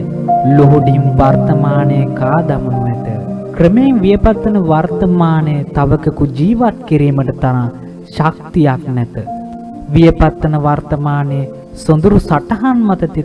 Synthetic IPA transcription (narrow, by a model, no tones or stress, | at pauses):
loɦuɖimʋaɾt̪ɐmaːnejəkaːd̪ɐmɐnuʋɛt̪əkɾəmeŋʋijɐpat̪ːɐnəʋart̪ɐmaːnejət̪aʋɐkəkud͡ʒiːʋat̪̚kiɾiːməʈət̪anã | ʃak̚t̪ijaknɛt̪ə | ʋijɐpat̪ːɐnəʋart̪ɐmaːnej | sond̪uɾusaʈɐɦanmɐt̪ɐt̪i